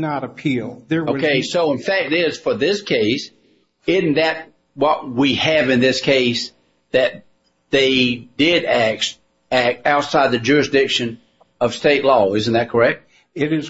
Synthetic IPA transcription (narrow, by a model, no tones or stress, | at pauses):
nəɾɨpʰilˠðə˞oʊkeɪsoʊə̃nfæk̚tɪz̥fə˞ðɪskʰeɪs | ɪzn̩ðɨt̚ | wʌt̚wiɨvɨ̃nðɪskʰeɪs | ðɨt̪̚ | ðeɪdɪɾæk̚s | æk̚taʊtsaɪd̪̚ðɨd͡ʒʊɹɨsdɪkʃɨ̃n | ʌv̥steɪtˡlɔɪzn̩ðɨt̚kʰə˞ɛk̚t̚ | ɪɾɪz